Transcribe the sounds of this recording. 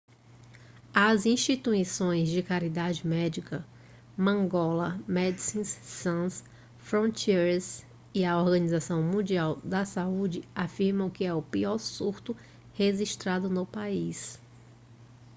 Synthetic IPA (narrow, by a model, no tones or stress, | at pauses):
ɐzĩʃt͡ʃit̪uisõj̃zd͡ʒɪkaɾid̪ad͡ʒɪmɛd͡ʒikɐ | mɐ̃ŋɡɔlɐmɛd̪isĩsːɐ̃s | fɾõnt͡ʃiɾs | iɐoɾɡɐ̃nizasɐ̃w̃mũd͡ʒiawd̪ɐsaud͡ʒɪafiɾmɐ̃w̃kɪɛʊpiɔɾsuɾt̪ʊ | heʒiʃt̪ɾad̪ʊnʊpais